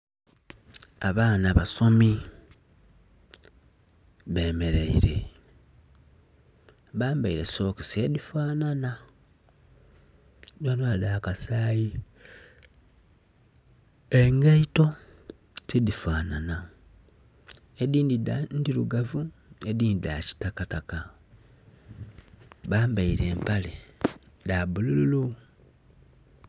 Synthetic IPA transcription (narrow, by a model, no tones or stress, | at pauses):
aβaːnaβaso̞mi | βe̞ːme̞ɾeḭɾe̞̰ | βaːmbaiɾe̞so̞ki̥sedifaːnana | danoadaːkasaːji | eŋɡaito̞ | tidifaːnana | ediːndidandiluɡavue̞diːndiɾaci̥takataka | βaːmbaiɾe̞ːmpale | dabulululu